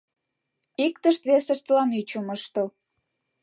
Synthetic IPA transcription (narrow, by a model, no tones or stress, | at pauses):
ikt̪əʃt̪βesəʃt̪əlɑnyt͡ɕuməʃt̪o